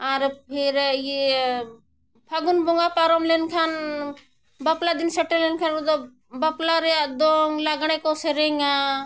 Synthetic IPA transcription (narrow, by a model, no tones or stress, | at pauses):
aɾpʰiɾje | pʰaɡunboŋɡapaɾomlenkʰan | bɐplad̪insɐʈːelenkʰanɾud̪o | bɐplaɾead̪oŋlaɡɽ̃ekoseɾeŋa